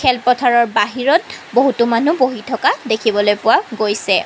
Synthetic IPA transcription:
kʰɛlpɔtʰaɹɔɹbaɦiɹɔt̚boɦutumanuboɦitʰɔkadekʰibɔlojpʊwaɡojsɛ

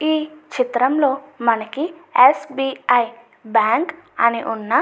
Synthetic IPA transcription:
iːt͡ʃit̪ɾɐmlo̞ːmɐnɐkiesbiːɐj | baːŋkɐniʔunːɐ

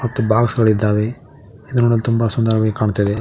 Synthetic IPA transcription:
mɐt̪ːubaːɡsɡɐɭid̪ːaːʋe | id̪unuɽɐlːt̪umbɐsund̪aɾɐʋeɡkaːɳt̪ːɐd̪e

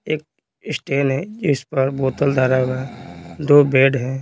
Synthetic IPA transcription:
eːk̚ | ɪsʈeːnɦɛ̃d͡ʒɪspəɾboːt̪əld̪ʱaɾaɡad̪oːbeːɖɦɛ̃ː

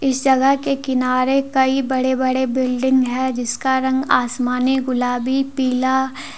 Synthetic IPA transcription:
ɪsd͡ʒɐɡəɦkekɪnaːɾekɐibɐɽebɐɽebɪlɖɪ̃ŋɡɦɛd͡ʒɪskaɾɐ̃ŋɡa̰ːsmaːniɡʊlaːbipiːla

